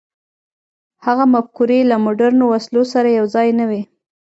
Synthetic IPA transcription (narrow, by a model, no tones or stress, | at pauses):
haɣamafkuɾelamʊɖaɾnowaslosaɾajawzɑjnawi